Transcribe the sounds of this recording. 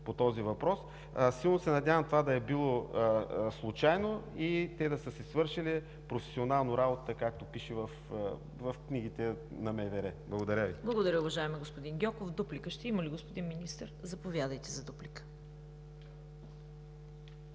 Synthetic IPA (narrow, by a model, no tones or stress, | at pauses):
pot̪ɔzivɐpɾɔs | silˠnosɛnɐd̪ʲjavəmt̪ovad̪ɐɛbilˠo | slˠut͡ʃajnoit̪ɛd̪ɐsəsɛsvɤɾʃili | pɾofɛ̥sionalˠnoɾabot̪əkak̚t̪opiʃɛvɐf | vɐfkniɡit̪ɛnɐmɛvɛɾɛblˠɐɡod̪ɐɾʲəviblˠɐɡod̪ɐɾʲəʊvɐʒaɛmiɛɡospod̪inɡʲɔkofd̪uplikəʃt̪ɛiməliɡospod̪inminist̪əɾzɐpovjad̪əjt̪ɛzɐd̪uplikə̥